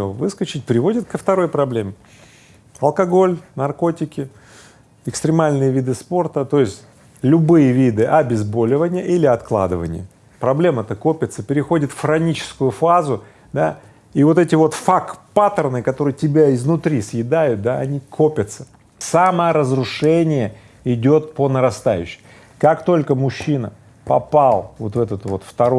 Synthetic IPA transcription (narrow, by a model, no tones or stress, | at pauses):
vɨskət͡ɕɪt̚ʲpɾʲɪvo̞dʲɪt̪kəft̪ɐɾo̞jpɾɐblʲe̞m | ɐlˠkɐɡo̞lʲnɐrko̞tʲɪkʲɪ | ɪkst̪ɾʲɪmalʲnɨjəvʲid̪ɨspo̞rt̪ət̪o̞jɪsʲtʲ | lʲʊbɨjəvʲid̪ɨʔɐbʲɪzbo̞lʲɪvənʲɪjəʔilʲɪɐt̪klˠa̰d̪ɨvə̰nʲɪ̰jə̰ | pɾɐblʲe̞mət̪əko̞pʲɪt̪səpʲɪɾʲɪxo̞dʲɪt̪fɾɐnʲit͡ɕɪ̥skʊjʊfazʊ | d̪a | ivo̞t̪ɛtʲɪvo̞t̪fakpat̪ərnɨkɐt̪o̞ɾɨjtʲɪbʲaɪznʊt̪ɾʲisjɪd̪ajʊt̪̚d̪aɐnʲikopʲət̪sə̥ | saməəɾəzɾʊʂɛnʲɪjə | ɪdʲo̞t̪̚pənəɾɐst̪ajʉ̰ɕːɪ̥m | kakt̪o̞lʲkəmʊɕːinə̰ | pɐpalˠvo̞t̪vɛt̪ət̪vo̞t̪ft̪ɐɾo